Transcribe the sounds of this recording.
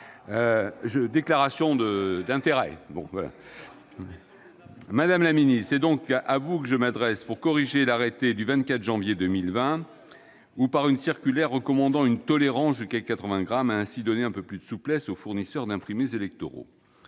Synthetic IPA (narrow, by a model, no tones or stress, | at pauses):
øʒəd̪eklaʁasjɔ̃d̪əd̪ɛ̃t̪eʁɛ̰bɔ̰̃vwala̰ | mad̪amlaminissɛd̪ɔ̃kʔavukəʒəmad̪ʁɛspuʁkɔʁiʒelaʁɛt̪ed̪yvɛ̃nt̪̚kat̪χʒɑ̃vjed̪əmilvɛ̃ | upaʁynsiʁkʲylɛʁːəkɔmɑ̃d̪ɑ̃ynt̪ɔleʁɑ̃sʒyskakat̪χəvɛ̃ɡʁamaɛ̃sid̪ɔneɛ̃pøplyd̪əsuplɛsofuʁnisœʁd̪ɛ̃pχimezelɛk̚t̪oʁo̰